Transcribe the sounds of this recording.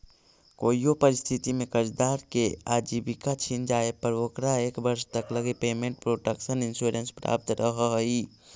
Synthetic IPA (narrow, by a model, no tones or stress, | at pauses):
koijopəɾist̪ʰit̪imekət͡ʃd̪aɾkead͡ʒibikat͡ʃʰind͡ʒaepəɾokɾaekbəɾst̪əkləɡipeːmẽɳʈ̚pɾoʈəkʃəninsuɾenspɾa̰p̚t̪ɾəɦəɦi